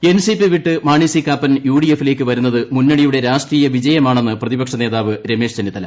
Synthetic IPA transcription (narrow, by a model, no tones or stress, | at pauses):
e̞nsipːɨʋiʈːɨmaːɳisikaːpːɐnjuːɽijefːile̞ːkːɨʋɐɾunːɐðɨmunːɐɽijuɽe̞ɾaːʂʈriːjɐʋid͡ʑɐjɐmaːɳe̞nːɨprɐðibɐkʂɐne̞ːðaːʋɨɾe̞me̞ːʂt͡ɕenːit̪ːɐlɐ